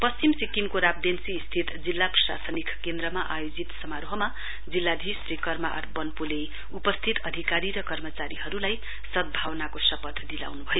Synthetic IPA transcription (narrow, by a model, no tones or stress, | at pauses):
pʌst͡simsikimkoɾab̚d̪ensiːst̪ʰit̪d͡zilːaprʌsa̰sʌnikʰkend̪ɾʌmaʔajod͡zit̪sʌmaɾoɦʌma | d͡zilːad̪ʱisrikʌrma̰ʔʌ̰rbʌnpule | upʌst̪ʰit̪ʌd̪ʱikaɾiɾʌkʌrmʌt͡saɾiɦʌɾulaj | sʌd̪̚bʱawnakosʌpʌt̪ʰd̪ila̰wnubʱʌjo